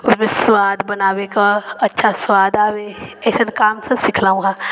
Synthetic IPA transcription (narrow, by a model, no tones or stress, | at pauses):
ʊsmẽswaːd̪bɐnaːwekaɐtːʃʰaswaːd̪aːweɛːsənkaːmsɐbsɪkʰlaːũɦãː